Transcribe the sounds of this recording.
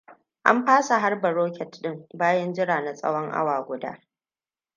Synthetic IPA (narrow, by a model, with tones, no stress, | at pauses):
ʔa̰˦mɸaː˦sa˨ɦa˦rbɐ˨ɾoː˦kʲɛ˨tɗɪ˦mbaː˦jɐ˦nd͡ʒɪ˦ɽaː˨na˨sʼɐ̰˦wɔ˦ŋʔa̰˦waː˨ɡʷʊ˨da̰ː˦